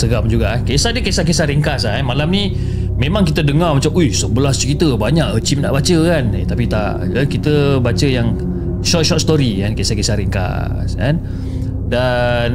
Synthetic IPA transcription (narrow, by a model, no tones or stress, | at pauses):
səɡam̚d͡ʒuɡakesadəkesakesaɾeŋkas̬aanmalamni | mẽmãŋkit̪ədəŋarmat͡ʃamʔujsəbəlahst͡ʃəɾit̪əbaɲaʔət͡ʃimna̰ʔbat͡ʃəkanet̪apit̪a̰ʔ | əkit̪əbat͡ʃəjaŋ | ʃɔt̪̚ʃɔt̪st̪oɾikankesakesaɾeŋka̰ | ska̰n | dan